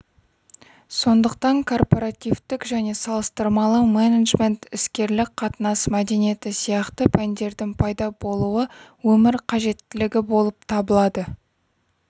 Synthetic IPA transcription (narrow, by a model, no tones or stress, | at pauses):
so̞nd̪əqt̪ɑŋkʰo̞rpo̞ɾɑt̪ijvt̪ɪkʒæne̞sɑlˠəst̪əɾmɑlˠəmeneʒme̞nt̪ɪskʲe̞ɾlɪk̚qʰɑt̪ənɑsmæd̪e̞nije̞t̪ɪsijɑqt̪əpʰænd̪e̞ɾd̪ɪŋpʰɑjd̪ɑbo̞lˠuəwɵmɪɾqʰɑʒe̞t̪ːɪlɪɡʲɪbo̞lˠəp̚t̪ʰɑbəlˠɑd̪ə